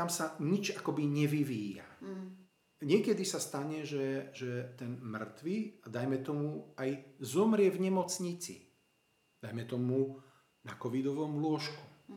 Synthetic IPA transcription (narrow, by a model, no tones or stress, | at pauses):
t̪amsaɲit͡ʃakɔbiɲɛʋiʋiːja̰ | ɲɪɛkɛd̪isast̪aɲɛʒɛʒɛt̪ɛnmr̩t̪ʋiad̪ajmɛt̪ɔmuajzɔmɾɪɛvɲɛmɔt͡sɲit͡sḭ | d̪̥ajmɛt̪ɔmu | nakɔʋid̪ɔʋɔmlʊɔʃku